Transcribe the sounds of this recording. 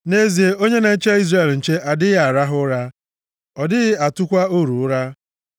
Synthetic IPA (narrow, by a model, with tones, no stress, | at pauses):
ne˦zi˨e˦o˦ɲe˦ne˨˦t͡ʃe˦i˦zre˦˨ln̩˨t͡ʃe˦ʔa˨dɪ˦ɣa˨ɾa˦ɦʊ˦ɾa˦ | ɔ˨dɪ˦ɣɪ˦a˨tʊ˦kʷa˦o˦˨ɾu˨ʊ˦ɾa˦